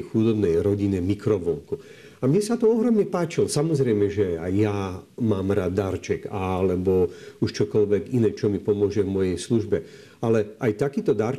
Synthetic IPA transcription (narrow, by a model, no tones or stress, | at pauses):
xud̪ɔbnɛjɾɔɟiɲɛmikɾɔʋɔŋku | amɲɛsat̪ɔɔɦɾɔmɲɛpaːt͡ʃilɔsamɔzɾɛjmɛʒɛajːamaːmɾaːd̪ːaːɾt͡ʃɛɡalɛbɔuʃt͡ʃɔkɔʎʋɛɡinɛːt͡ʃɔmipɔmʊɔʒɛvmɔjɛjsluʒbɛ | alɛʔajt̪akiːt̪ɔd̪aːɾ